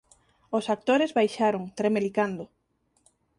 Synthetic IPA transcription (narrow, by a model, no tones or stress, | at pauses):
osak̚t̪oɾezβajʃaɾoŋt̪ɾemelikand̪o